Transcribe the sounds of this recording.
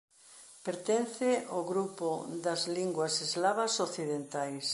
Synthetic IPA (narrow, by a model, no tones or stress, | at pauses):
peɾt̪en̟θɪoɣɾupʊd̪ɐzliŋɡwɐsezlaβɐsoθiðent̪ajs